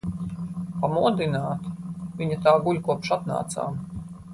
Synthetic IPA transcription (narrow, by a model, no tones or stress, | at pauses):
pamuɔd̪inaːt̪vʲiɲat̪aːɡulʲkuɔpʃat̪na̰ːt̪sa̰ːm